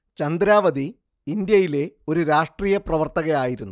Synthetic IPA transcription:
t͡ɕɐnd̪ɾaːʋɐd̪i | ind̪jɐjile̞o̞ɾuɾaːʂʈriːjɐprɐʋɐrt̪ɐɣɐjaːjiɾunːu

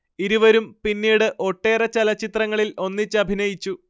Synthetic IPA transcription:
iɾuʋɐɾumpinːiːɽɨʔo̞ʈːe̞ːrɐt͡ɕɐlɐt͡ɕːit̪rɐŋːɐɭilo̞nːit͡ɕːɨɐbʱinɐjit͡ɕːu

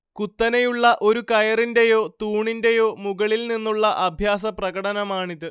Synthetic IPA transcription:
kut̪ːɐnejuɭːɐʔo̞ɾukɐjɐrinde̞jo̞ːt̪uːɳinde̞jo̞ːmuɣɐɭilninːuɭːɐʔɐbʱjaːsɐprɐɣɐɽɐnɐmaːɳiðɨ

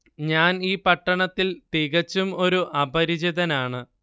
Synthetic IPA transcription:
ɲaːniːpɐʈːɐɳɐt̪ːilt̪iɣɐt͡ɕːumo̞ɾuʔɐbɐɾid͡ʑɐðɐnaːɳɨ

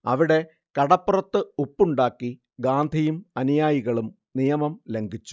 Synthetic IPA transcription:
ɐ̰ʋiɽe̞ | kɐɽɐpːurɐt̪ːɨupːuɳɖaːkːi | ɡaːnd̪ʱijumɐnijaːjiɣɐɭum | nijɐmɐmle̞ŋɡʱit͡ɕːu̥

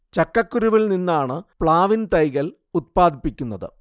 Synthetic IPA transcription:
t͡ɕɐkːɐkːuɾuʋilninːaːɳɨpɭaːʋint̪ɐjɣɐl | ut̪̚paːd̪ipːikʲːunːɐðɨ̰

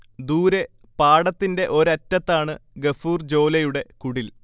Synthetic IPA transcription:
d̪uːɾe | paːɽɐt̪ːinde̞ʔo̞ɾɐtːɐt̪ːaːɳɨɡefuːrd͡ʑo̞ːlɐjuɽe̞kuɽil

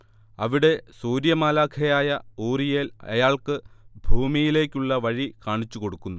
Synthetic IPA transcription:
ɐʋiɽe̞suːɾjɐmaːlaːkʰɐjaːjɐuːrijeːlɐ̰jaːɭkɨbʱuːmijile̞ːkʲːuɭːɐʋɐɻikaːɳit͡ɕːuko̞ɽukːunːu

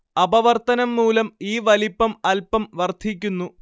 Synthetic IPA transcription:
ɐbɐʋɐrt̪ɐnɐmːuːlɐmiːʋɐlipːɐmɐlpɐmʋɐrd̪ʰʱik̬ʲːunːu

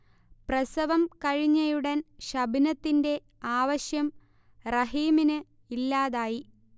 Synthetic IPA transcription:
prɐsɐʋɐmkɐɻiɲːɐjuɽɐnɕɐbʱinɐt̪ːinde̞ | aːʋɐɕjɐm | rɐɦiːminɨ | ilːaːðaːji

